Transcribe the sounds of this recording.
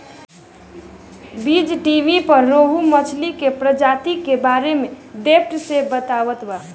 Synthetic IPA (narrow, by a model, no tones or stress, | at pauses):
bid͡ʒʈiʋipəɾːoɦumət͡ʃʰlikepɾəd͡ʒat̪ikebaɾemed̪epʰʈsebət̪aʋət̪ba